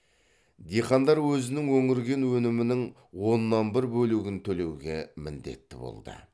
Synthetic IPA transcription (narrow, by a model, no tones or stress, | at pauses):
d̪ejχɑnd̪ɑɾwɵzɪnɪŋwɵŋɪɾɡʲe̞nwɵnɪmɪnɪŋ | wo̞nːɑnbɪɾbɵluɡʲɪnt̪ʰɵle̞wɡʲḛmɪ̰nd̪e̞̰t̪ːɪbo̰lˠd̪ə̰